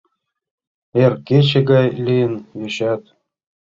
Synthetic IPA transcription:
erket͡ɕɘ̆ɡɑjlʲijɘ̆njeɕæt̪

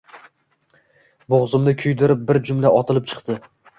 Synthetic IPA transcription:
boʁzʊmnɪkʲʰʊjd̪ɪɾɪp̚bɪɾd͡ʒʊmlaʔɒt̪ʰɪlɪp̚t͡ʃʰɨ̥qt̪ɪ

